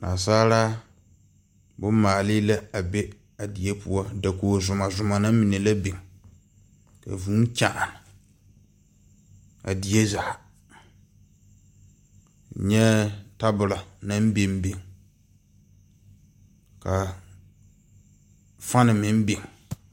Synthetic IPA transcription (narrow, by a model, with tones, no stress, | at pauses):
na̰˨saː˦ɾa˦ | bʊ˦maː˨lɪ˦la˦a˨bɛ˦ | a˨di˨jɛ˦pu˦ɔ˦da˨koː˨zʊ˨ma˨zʊ˨ma˨na˦mɪ˨ne˨la˦be˨ŋ˨ | ka̰˨vuː˦ŋ˦ka˨ʔa˨nɪ˨ | a̰˨di˨jɛ˦za˨ | ɲɛ˦ta˦bʊ˨la˨na˦m˦be˦m˦be˨ŋ | ka˨ | fa˦nɪ˨mɪ˦m˦be˨ŋ˨